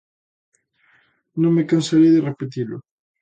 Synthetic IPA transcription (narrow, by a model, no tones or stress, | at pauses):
nõŋmekansaɾejðɪrepet̪ilʊ̰